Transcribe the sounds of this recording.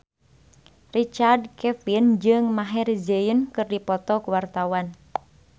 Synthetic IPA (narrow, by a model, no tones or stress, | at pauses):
rit͡ʃardkɛfind͡ʒɨŋmaɦɛrizeənkɨrdipɔt̪ɔkuwart̪awan